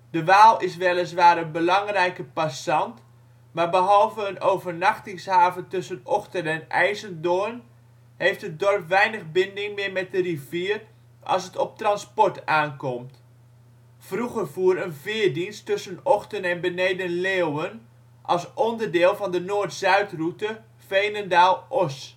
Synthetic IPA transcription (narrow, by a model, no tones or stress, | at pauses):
d̥əʋaːlˠɪs̬ʋɛlˠəs̬ʋaːɾənbəlɑŋrɛjkəpasɑnt | maːɹbəɦɑlˠvəənowvərnaxtɪŋshaːvəntɵsənɔxtənɛnʔɛ̰jzəndon | hejftət̚dɔrpʋɛjnəɣbɪndɪŋmɪmɛt̚dəriviːər | ʔɑ̰lˠsətɔp̚trɑnspɔɹtaːnkɔmt | fruɣərvuəɾənvɪːəɹdinstɵsənɔxtənɛnbənejdənleːwən | ʔɑ̰lˠsʔɔndərdɪːlˠvɑndənoːtz̥œɥtrutə | fejnəndaːlˠʔɔs